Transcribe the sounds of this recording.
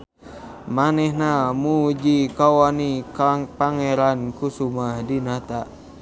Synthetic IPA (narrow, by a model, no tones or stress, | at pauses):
manɛhnamud͡ʒikawanikpaŋɛɾankusumahdinat̪a